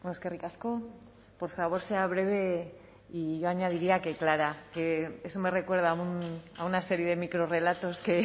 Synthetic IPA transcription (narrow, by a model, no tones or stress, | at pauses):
eskerikasko̞ | po̞ɾfaβ̞o̞ɾse̞aβ̞ɾe̞β̞e̞ | iʝo̞aɲað̞iɾiake̞klaɾake̞esome̞re̞kwe̞ɾð̞aunaunase̞ɾjeð̞e̞mikɾo̞re̞lat̪o̞ske̞